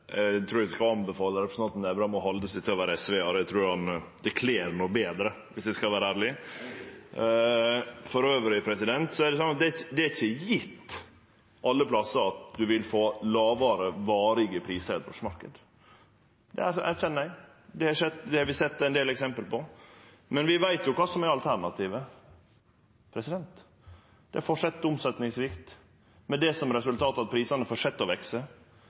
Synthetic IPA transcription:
t̪ʰɾuːɾɪsɪkɑɑmbəfɑːləɾɛpʰɾsn̩ɑnnd̪æbɾɑːmɔɦɔld̪əsɛɪt̪ʰɪlɔʋæːɾəɛsʋeːɑɾæt̪ʰɾuːɾɑnd̪ɛkʰleːɾnuːbeːd̪ɾə | ʋɪsd̪æskɑʋæːɾəæːɾɭɪ | fɔɾøːʋəɾɪpʰɾɛsɪd̪ɛnt̪sɔæɖɛs̬ɔnːɑt̪̚d̪ɛd̪ɛæɾɪçːəjɪt̪ː | ʔɑlːəpʰlɑsəɾɑt̪̚d̪ʉʋɪlfoːlɑːʋɑːɾəʋɑːɾɪɡəpʰɾiːsəɾɛ̰t̪ʋɔ̰ʂmɑɾkəd̪ | d̪ɛ̰æɾæɾçɛnːæɪ | d̪ɛɑʂɛt̪ːd̪ɛhɾʋɪsɛt̪ːɛɪnd̪eːlɛksɛmpəlpɔ | mɛnʋɪʋæɪt̪jʊkɑːsɔmæɾɑlt̪ʰæɾɳɑt̪ʰiːʋə | pʰɾɛsɪd̪ɛnt̪ | d̪̥ɛɾfɔʂɛt̪ːʊmsɛt̪nɪŋsʋɪkt̪ | mɛd̪ɛsɔmɾɛsʉlt̪ʰɑːt̪ɑt̪̚pʰɾiːsɑnəfɔːɾʂɛt̪ːɔʋɛksə

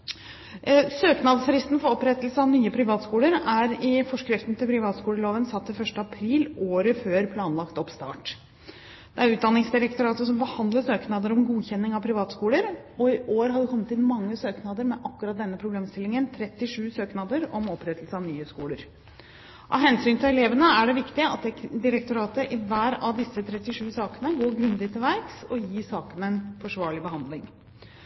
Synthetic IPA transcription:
søːknɑd̪sɾɪst̪n̩fɔɾɔpɾɛt̪l̩səɑʋnyːəpʰɾɪʋɑːt̪skuːləɾæɾɪfɔʂkɾɪft̪nt̪ɪlpʰɾɪʋɑːt̪skuːləɭoːʋənsɑt̪ːɪfœʂʈəɑpʰɾiːloːɾəføːɾpʰlɑːnlɑkt̪ɔpst̪ɑ̰ːʈ | d̪̥ɛæɾʉːt̪d̪ɑnɪŋsd̪ɪɾɛkt̪ʊɾɑːt̪əsɔmbəhɑnd̪ləsøːknɑːd̪əɾɔmɡuːçɛnːɪŋɑʋpʰɾɪʋɑːt̪skuːləɾ | ɔɪʔoːɾɦɑɖɪkʰɔmːət̪ɪnmɑŋːəsøːknɑd̪əɾmɛʔɑkːʉɾɑt̪̚d̪ɛnːəpʰɾʊbleːmst̪ɪlːɪŋənt̪ʰɾɛt̪ːɪʂʉːsøːknɑd̪əɾɔmɔpːɾɛt̪ʰəlsəɑʋnyːhøːskuːləɾ | ʔɑ̰ɦɛnsyːnt̪ʰɪlɛleːʋənəæɖɛʋɪkt̪ɪɑ̰t̪̚d̪d̪ɪɾɛk̚t̪ʊɾɑːt̪əʔɪʋæːɾɑʋd̪ɪsət̪ʰɾɛt̪ːɪʂʉːsɑːkənəɡoːɾɡɾʉnd̪ɪt̪ʰɪlʋæɾksɔjiːsɑːkənɛnfɔʂʋɑːɭɪbəhɑnd̪lɪŋ

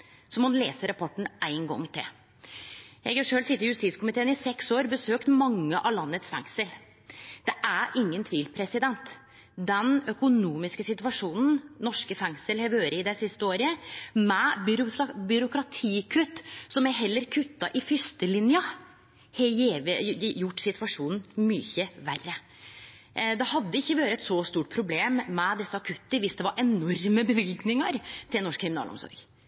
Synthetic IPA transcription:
sɔmhʊnleːsəɾɑpʰɔʈːɳ̩ʔæɪnɡɔ̰ŋːt̪ʰɪ̰l | jɛɪɡʂøːlsɪt̪ːəɾjʉst̪iːskʰʊmɪt̪ʰeːənɪsɛksoːɾbəsøːkt̪mɑŋːəʔɑʋlɑnːət̪sfɛ̰ŋsəl | d̪̥ɛʔæɾʔɪŋːənt̪ʰʋiːlpʰɾɛsɪd̪ɛnt̪ | d̪ɛnœkʊnuːmɪskəsɪt̪ʉʋɑʂuːnn̩nɔʂkəfɛŋsəlhɛʋøːɾəɪd̪æsɪst̪əoːɾəmɛbʏɾʊbʏɾʊkɾɑt̪ʰiːkʰʉt̪ːsɔmɛɦɛlːəɾkʰʉt̪ːɑʔɪfʏst̪əlɪnjə | hɛjeːʋjʊʈːsɪt̪ʉʋɑʂuːnn̩myːçəʋærːə | d̪ɛhɑd̪ːəɪçːəʋɑːɾəɛt̪sɔst̪uːʈ̚pʰɾʊbleːmːɛd̪ɛsːəɑkʰʉt̪ːəʋɪsd̪ɛʋɑɾʔɛnɔɾməbəʋɪlɡnɪŋəɾt̪ʰɪlnɔʂkʰːɾɪmɪnɑ̰lɔ̰msɔ̰ɾɡ

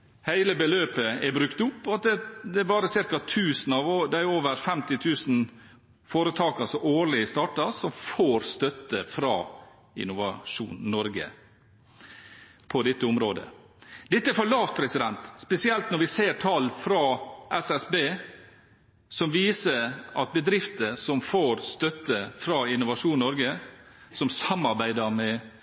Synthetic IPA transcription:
hæɪləbəløːpəɛbɾʉkt̪ʊpːɑt̪̚d̪ɛd̪ɛːbɑːɾəsɪɾkɑt̪ʰʉːsn̩ɑʋod̪ɛæɾoːʋəɾfɛmt̪ɪt̪ʰʉːsn̩ | foːɾət̪ʰɑːkəsɔʔoːɾɭɪəst̪ɑːʈɑsɔmfoːɾst̪œt̪ːəfɾɑ̰ː | ɪ̰nʊʋɑʂṵːnnɔɾɡə̰ | pʰɔd̪ɛt̪ːəʊmɾoːd̪ə̰ | d̪ɛt̪ːəæɾfɔɭɑːft̪̚pʰɾɛsɪd̪ɛnt̪spɛsɪɛlt̪nɔɾʋɪseːɾʈʰɑlfɾɑʔɛsɛsbeː | sɔmʋiːsəɾʔɑt̪̚bəd̪ɾɪft̪əsɔmfoːɾst̪œt̪ːəfɾɑɪnʊʋɑʂuːnnɔɾɡəsɔmsɑmɑɾbæɪd̪əɾmɛ

